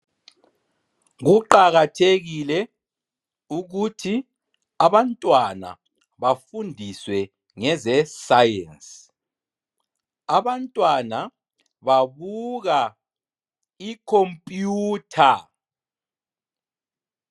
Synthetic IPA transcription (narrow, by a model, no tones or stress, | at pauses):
ɣuǃaɣatʰeɣilɛ | uɣutʰi | aβantʼwana̰ | βafundʱiswɛ | ŋɛzɛsajɛns | aβantʼwana | βaβuɣa | ikʰompʼjuːtʰa